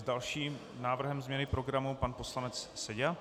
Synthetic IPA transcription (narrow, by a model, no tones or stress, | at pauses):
zdalʃiːm | naːvr̩ɦɛmzmɲɛnɪpɾo̞ɡɾamupanpo̞slanɛt͡sːɛɟɛ